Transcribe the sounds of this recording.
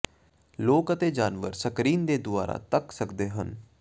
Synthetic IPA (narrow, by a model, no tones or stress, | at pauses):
loːkət̪eːd͡ʒaːnʋəɾsəkɾiːnd̪eːd̪ʊa̰ːɾa̰ːt̪əksəkd̪eːɦən